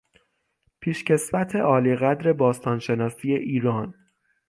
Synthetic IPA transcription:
pʰiːʃce̞svæt̪ʰe̞ʔɒːliːɣæd̪ɾe̞bɒːst̪ʰɒːnʃe̞nɒːsije̞ʔiːɾɒːn

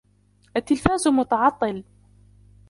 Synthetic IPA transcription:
ʔat̪ːɪlfaːzmʊt̪ɑʕɑt̪ˤːɨl

